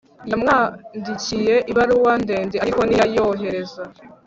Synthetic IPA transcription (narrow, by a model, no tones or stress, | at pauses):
jamŋaːndicije̞ʔiβaɾuwande̞ːndeaɾiko̞nijajoɦe̞ɾe̞za